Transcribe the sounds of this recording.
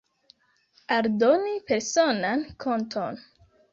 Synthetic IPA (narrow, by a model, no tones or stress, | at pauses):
aldo̞nipe̞ɾso̞nankʰo̞ntʰon